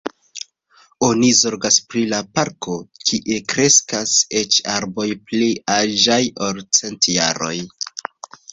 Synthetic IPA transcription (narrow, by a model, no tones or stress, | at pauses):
o̞nizo̞ɾɡaspɾilapaɾko̞kʰiʔe̞kɾe̞skase̞t͡ʃaɾbo̞jpliaʒajoɾt͡se̞ntja̰ɾo̞̰j